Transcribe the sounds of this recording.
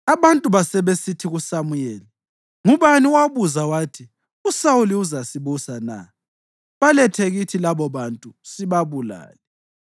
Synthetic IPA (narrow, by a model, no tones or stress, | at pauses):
aβantʼuβasɛβesitʰiɣusamujɛːli | ŋuβaniwaβuzawaːtʰi | usawuliuzasiβusana̰ | βalɛtʰeɣitʰilaβɔβantʼusiβaβula̰ːlɛ